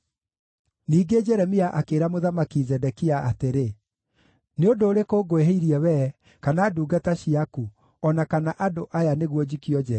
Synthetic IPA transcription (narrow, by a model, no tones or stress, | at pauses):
niːɡed͡ʒɛɾɛmiaʔakeːɾamoðamakizɛdɛkiaateɾe | neondoːɾekoːɡoeɦeiɾiɛwɛ | kanaːduːɡataɕiaku | ɔnakanaʔadoʔajaneɣwɔd͡ʑikiɔd͡ʒɛ